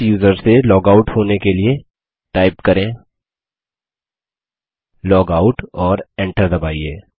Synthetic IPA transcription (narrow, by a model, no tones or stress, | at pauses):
juːzəɾsselɔːɡaʊʈhoːnekelie | ʈaːɪpkɐɾẽː | lɔːɡaːʊʈɔːɾɛ̃ːɳʈəɾd̪ɐbaːieː